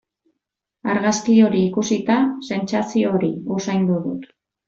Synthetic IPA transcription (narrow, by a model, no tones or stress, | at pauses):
aɾɣaskio̞ɾiːkusit̪ase̞nt͡sasio̞ɾiusajnd̪uðṵt̪